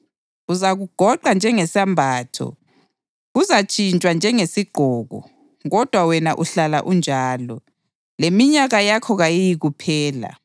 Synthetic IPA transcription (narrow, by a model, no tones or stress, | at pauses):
uzaɣuɡ̥ʱɔǃand͡ʒʱɛŋɛsambʱaːtʰɔ̰ | ɣuzat͡ʃʼint͡ʃʼwand͡ʒʱɛŋesiɡ͡ǃ̥ʱɔːɣɔ̰ | ɣɔd̥ʱwawɛnaʔuɬala̰ʔund͡ʒʱaːlɔ | lemiɲaɣajakʰɔɣajijiɣupʰɛːla̰